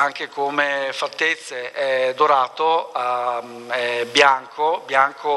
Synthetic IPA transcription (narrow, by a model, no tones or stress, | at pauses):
aŋk̟ekomefat̪ːet̪sːeɛd̪oɾaːt̪oa | ɛbjaŋkʰobjaŋkʰo